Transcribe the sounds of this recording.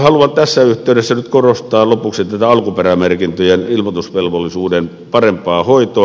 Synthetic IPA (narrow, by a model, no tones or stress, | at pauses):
hɑluɑnt̪æsːæyht̪ˑeˑydesːænyt̪korost̪ˑɑːlopuksit̪æt̪æɑlkuperæmerkint̪øjenilmot̪usʋelʋolːˑisuːden | pɑrempˑɑːhoit̪oː